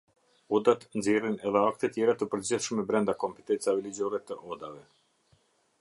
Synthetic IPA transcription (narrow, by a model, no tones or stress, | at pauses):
ɔd̪at̪nzirinɛðɛak̚t̪ɛt̪jɛɾat̪əpəɾd͡ʑiθʃmɛbɾɛnd̪akɔmpɛ̥t̪ɛnt͡savɛlid͡ʑɔɾɛt̪əʔɔd̪avɛ